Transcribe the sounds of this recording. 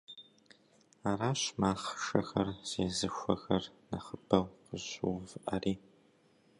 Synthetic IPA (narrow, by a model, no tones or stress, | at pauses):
aːɾaːɕmaːχʃɐxɐrz̥eːzɨxʷɐxɐrnɐχəb̥ɐwqəʑuːvɨʔɐriː